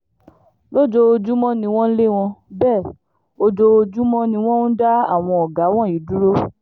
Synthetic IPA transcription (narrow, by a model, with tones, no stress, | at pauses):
lo˦d͡ʒo˧o˧d͡ʒu˦mɔ̃˦nĩ˧w̃ɔ̃˦le˦w̃ɔ̃˧bɛː˦˨ | o˧d͡ʒo˧o˧d͡ʒu˦mɔ̃˦nĩ˧w̃ɔ̃˦nũ˦da˦a̰˦˨w̃ɔ̃˧ɔ˨ɡa˨˦w̃ɔ̃˦˨i˨˦du˦ɾo˦